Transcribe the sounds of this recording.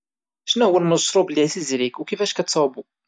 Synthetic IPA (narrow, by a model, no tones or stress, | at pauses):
ʃnæɦwælməsɾˤobəliθizɾikwkifæʃkæt͡sːɑbu